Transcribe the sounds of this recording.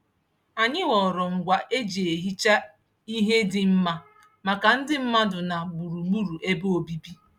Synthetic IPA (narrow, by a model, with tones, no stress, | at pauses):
a˨ɲɪ˦wɔ˨ɾɔ˨ŋ̩˨ɡʷa˨ʔe˦d͡ʒi˨e˨ɦi˦t͡ʃa˦ | i˦ɦe˦dɪ˨m̩˦ma˦ | ma˨ka˨n̩˦dɪ˦m̩˦ma˦dʊ˨na˨bu˨ɾu˨mu˦ɾu˨ʔe˦bo˦o˨bi˦bi˦